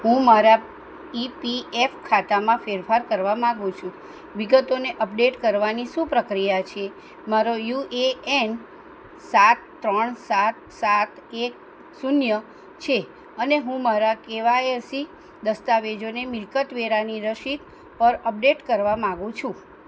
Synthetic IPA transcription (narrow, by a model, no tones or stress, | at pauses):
ɦũmaɾa | ipiefkʰat̪amãfeɾfʰaɾkəɾʋamãɡũt͡ʃʰũ | ʋiɡət̪oneʔəp̚ɖeʈkəɾʋanisũpɾəkɾijat͡ʃʰe | maɾojueen | sat̪ːɾəɳsat̪̚sat̪ek̚ | sunjə | t͡ʃʰe | əneɦũmaɾakeʋaeɾsi | d̪əst̪aʋed͡ʒonemɪɾkət̪ʋeɾaniɾəʃit̪ | pəɾəp̚ɖeʈkəɾʋamãɡũt͡ʃʰũ